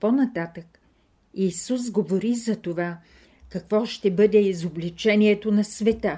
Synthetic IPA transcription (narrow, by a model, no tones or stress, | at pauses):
ponɐt̪at̪ək | isus̬ɡovoɾizɐt̪ova | kɐkvɔʃt̪ɛbɤd̪ɛizoblit͡ʃɛniɛt̪onɐsvɛt̪ə